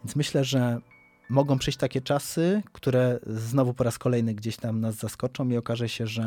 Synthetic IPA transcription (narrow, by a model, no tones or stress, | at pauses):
vjent̪smɘɕlɛʐɛ | mɔɡɔ̃w̃pʂɛjɕt͡ɕʲt̪akʲɛt͡ʂasɘkt̪uɾɛznɔvupɔɾaskɔlɛjnɘɡd͡ʑeɕt̪amnazːaskɔt͡ʂɔ̃w̃iɔkaʐɛɕɛʐɛ